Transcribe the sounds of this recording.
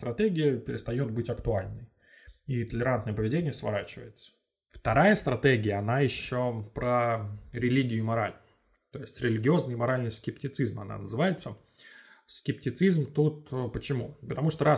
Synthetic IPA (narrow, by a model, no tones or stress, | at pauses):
t̪ɾʔɐt̪eɡʲɪjəpʲɪɾʲɪst̪ɐjo̞t̪̚bɨtʲɐkt̪ʊalʲnɨj | it̪əlʲɪɾant̪nəjəpəvʲɪdʲenʲɪjəsvɐ̰ɾat͡ɕɪvə̰jɪt̪sə̥ | ft̪ɐɾajəst̪ɾɐt̪eɡʲɪjəɐnajɪɕːopɾəɾʲɪlʲiɡʲɪjʊmɐɾa̰lʲnʊjʊ | t̪o̞jɪsʲtʲɾʲɪlʲɪɡʲɪo̞znɨjmɐɾalʲnɨjskʲɪptʲɪt̪sɨzmɐ̰na̰nəzɨvajɪt̪sə | skʲɪp̚tʲɪt̪sɨzmt̪ut̪pət͡ɕɪmupət̪ɐmuʂt̪oɾa